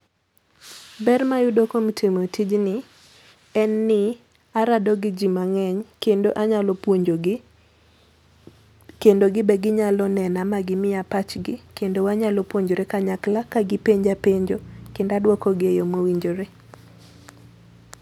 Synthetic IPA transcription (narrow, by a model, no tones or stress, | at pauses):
bɛrmajʊdokomtʰemotʰid͡ʒnɪ | ɛnːɪ | aɾadɔɡɪd͡ʒimaŋɛɲkendo̰ʔaɲalopoɲd͡ʒo | kendoɡɪbɛɡɪɲalɔnɛnamaɡɪmɪjapat͡ʃɡɪkendowaɲalopwoɲd͡ʒoɾekaɲaklakaɡɪpeɲd͡ʒapeɲd͡ʒokɪndadwɔkɔɡɪejomowiɲd͡ʒoɾe